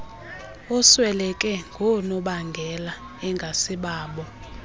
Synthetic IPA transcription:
ɔswɛlɛkʼɛŋɡʱɔnɔɓaŋɡʱɛla | ɛŋɡʱasiɓaːɓɔ

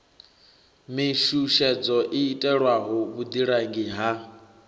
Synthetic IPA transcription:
miʃuʃɛd͡zɔʔiːtʼɛɺwaɦɔβud̪iɺaŋɡiɦa

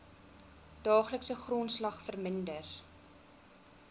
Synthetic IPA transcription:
d̥ɑːχləksəχrɔnslɐχfərməndər

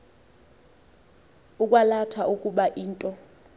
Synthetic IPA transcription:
uk̬ʼwalatʰaʔukʼuɓaʔiːntʼɔ

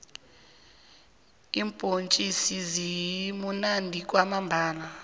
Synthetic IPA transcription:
impʼont͡ʃʼisizijiimunandʱik̬ʼwamambʱaːla

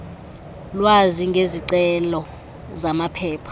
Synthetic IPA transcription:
lwaziŋɡʱeziǀɛlɔ | zamapʰɛːpʰḁ

